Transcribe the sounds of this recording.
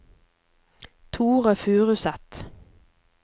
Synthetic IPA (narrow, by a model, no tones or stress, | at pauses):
t̪ʰuːʁəfʉːʁʉsɛt̪